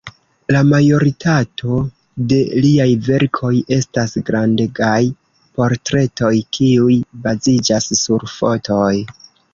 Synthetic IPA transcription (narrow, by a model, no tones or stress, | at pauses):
lamajo̞ɾitʰatʰo̞ | de̞liajve̞ɾkʰo̞je̞stasɡɾandeɡaj | po̞ɾtɾe̞to̞jkʰiujbazid͡ʒasːuɾfo̞tʰo̞j